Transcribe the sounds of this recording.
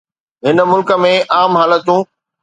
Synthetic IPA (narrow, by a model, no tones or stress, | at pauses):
ɦɪnə̆mʊlkə̆mẽʔaːmɦaːlət̪ũː